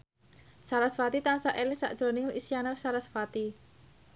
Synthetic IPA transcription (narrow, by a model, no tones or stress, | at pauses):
salasfat̪it̪ansaʔelɪŋsa̰ʔd̥ʒ̥o̤nɪŋisjanarsalasfat̪i